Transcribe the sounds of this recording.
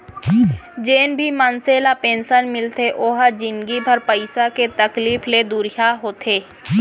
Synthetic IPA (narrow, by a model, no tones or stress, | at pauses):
d͡ʒeːnbʱimənseːlapẽːnʃənmɪlt̪eʔoːɦəd͡ʒɪ̃nɡibʱɐɾpəɪsaket̪ɐkliːfʰled̪uɾijaɦoːt̪ʰeː